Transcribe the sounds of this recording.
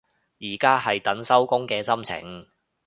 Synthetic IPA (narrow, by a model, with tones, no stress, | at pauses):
jiː˨˩kaː˥ɦɐ˨jt̪ɐ˨˥nsɐ˥wkʊ˥ŋkɛː˧sɐ˥mt͡sʰɪ̰˨˩ŋ